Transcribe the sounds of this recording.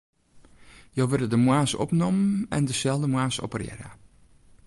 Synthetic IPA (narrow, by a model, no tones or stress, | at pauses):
jowʋɪrdədəmwaːsɔ̰pnɔmnɛ̰ndəsɛlˠdəmwaːsɔ̰pərjɛ̰ɾə̰